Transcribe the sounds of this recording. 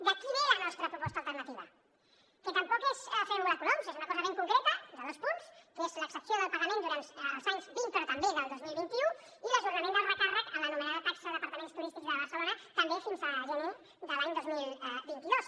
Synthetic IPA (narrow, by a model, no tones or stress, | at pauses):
d̪əkiβelənɔst̪ɾəpɾupɔst̪əːlˠt̪ərnət̪iβə | kət̪əmpɔkezəfemuləkulomsezunəkɔzəβeŋkuŋkɾɛt̪əd̪əðospunskezləksəpsioðəlˠpəɣəmẽnd̪uɾant̪ːlˠzaɲzbinpəɾɔt̪əmbeðəlˠd̪ozmilˠβint̪iu | iləʒuɾnəmẽnd̪əlˠrəkarəkəmlənumənaðət̪aksəðəpɐɾt̪əmẽnst̪uɾist̪ikzðəβ̞əɾsəlonət̪əmbefinzəʒɛne | ðəlaɲd̪ozmilˠbint̪iðos